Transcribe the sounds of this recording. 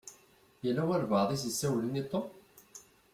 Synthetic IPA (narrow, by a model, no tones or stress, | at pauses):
jælːæwæɾvɑðˤis̬sːæwlinit̪ˤːo